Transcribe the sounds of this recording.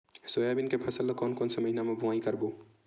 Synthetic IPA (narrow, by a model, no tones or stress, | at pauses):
soːjabinkepʰɐsəlːəkɔːnkɔːnsemɐɦinamẽbʊʋaːikəɾboː